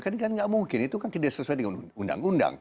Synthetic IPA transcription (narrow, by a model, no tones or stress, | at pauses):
kankanŋɡaʔmuŋkɪnit̪ukant̪idaʔsəsuajdəŋanunda̰ŋunda̰ŋ